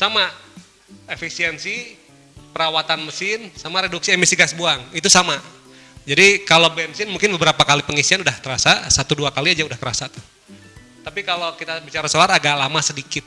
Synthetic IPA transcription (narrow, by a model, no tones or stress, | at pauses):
sama | efisiɛnsi | pəɾawat̪anməsɪnsamaɾeduksiɛməsiɡasbuaŋit̪usama | d͡ʒadikalobɛnsɪnmuŋkɪnbəbəɾapakalipəŋisianudaht̪əɾasasat̪uduakaliad͡ʒaudahkəɾasat̪u̥h | t̪apikalokit̪abit͡ʃaɾasolaɾaɡaʔlamasədikɪt̪̚